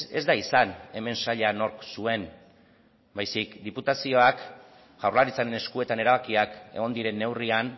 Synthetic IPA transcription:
e̞̰zd̪aisane̞me̞nsaʎano̞ɾksue̞n | bajsikd̪iput̪asio̞ak | ɣ̥awrlaɾit͡saɾe̞ne̞skue̞t̪ane̞ɾaβakiake̞̰ɣo̞nd̪iɾe̞nːe̞wrian

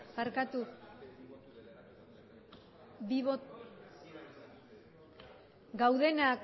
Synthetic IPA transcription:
paɾkat̪u | βiβot̪ | ɡawðe̞nak

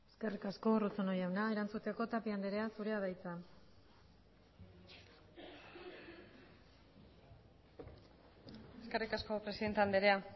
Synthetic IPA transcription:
eske̞rikasko̞rut͡sonojawnae̞ɾant͡sut̪eko̞t̪apiand̪e̞ɾe̞asuɾe̞aðajt͡sa | eskerikasko̞pɾesiðe̞nt̪eand̪eɾe̞a

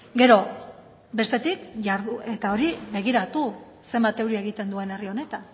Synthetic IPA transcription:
ɡe̞ɾo̞ | be̞st̪e̞t̪ikʝaɾðuʔe̞t̪ao̞ɾiβe̞ɣ̞iɾat̪u | se̞mbat̪e̞wɾiaeɣit̪e̞nd̪ue̞ne̞rio̞ne̞t̪an

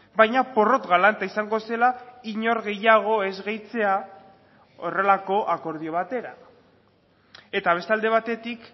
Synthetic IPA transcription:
bajɲapo̞ro̞t̪ɣalant̪aisaŋɡo̞se̞laiɲo̞ɾɣe̞jaɣ̞o̞e̞zɣejt͡se̞a | o̞re̞lako̞ʔako̞ɾð̞io̞β̞at̪e̞ɾa | e̞t̪aβ̞e̞st̪eald̪e̞β̞at̪e̞t̪ik

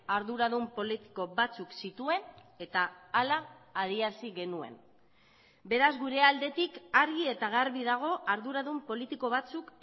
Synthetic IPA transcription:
aɾðuɾaðumpo̞lit̪i̥ko̞βat͡suksit̪ue̞ne̞t̪aːlaːð̞iasiɣe̞nue̞̰n | be̞ɾazɣuɾe̞ald̪e̞t̪ikaɾɣie̞t̪aɣaɾβiðaɣ̞o̞ʔaɾðuɾaðumpo̞lit̪iko̞β̞at͡suk

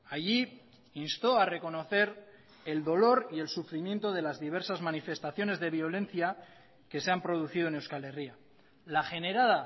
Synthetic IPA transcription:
aʝi | inst̪o̞are̞ko̞noθe̞ɾ | e̞ld̪o̞lo̞ɾie̞lsufɾimje̞nt̪o̞ð̞e̞lazðiβ̞e̞ɾsazmanife̞st̪aθjo̞ne̞zðe̞βjo̞lẽ̞nθja | ke̞se̞ampɾo̞ð̞uθiðone̞wskale̞ria | laxe̞ne̞ɾaða

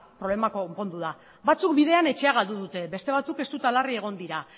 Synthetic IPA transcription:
pɾo̞le̞makompo̞nd̪uða | bat͡suk̚biðe̞ane̞t͡ʃe̞aɣ̞ald̪uðut̪e̞be̞st̪e̞β̞at͡suke̞st̪ut̪alarie̞ɣ̞o̞nd̪iɾa

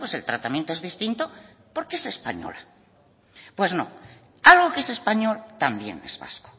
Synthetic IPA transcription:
pwe̞se̞lt̪ɾat̪amjent̪oe̞zðist̪int̪o | poɾkeese̞spa̰ɲo̰la | pwe̞znõ̰ | alɣo̞kee̞se̞spaɲo̞lt̪ambje̞̰ne̞̰zβa̰sko̥

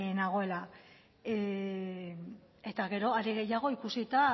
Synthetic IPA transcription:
naɣ̞o̞e̞la | e̞t̪aɣe̞ɾo̞aɾiɣe̞jaɣ̞o̞ikusit̪a

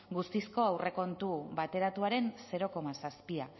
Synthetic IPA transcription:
ɡust̪isko̞awrʔe̞ko̞nt̪uβat̪e̞ɾat̪uaɾe̞nse̞ɾo̞ko̞masaspia

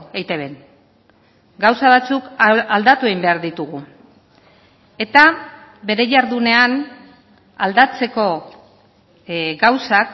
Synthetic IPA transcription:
ejt̪e̞β̞e̞n | ɡawsaβat͡sukald̪at̪ue̞imbe̞aɾðit̪uɣ̞u | e̞t̪a | βe̞ɾe̞ʝaɾðune̞an | ald̪at͡se̞ko̞ | ɡawsak

